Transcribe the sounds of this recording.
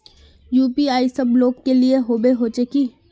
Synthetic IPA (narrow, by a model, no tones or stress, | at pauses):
juːpiaːisɐbloːɡkelieɦoːbeɦoːt͡ʃekiː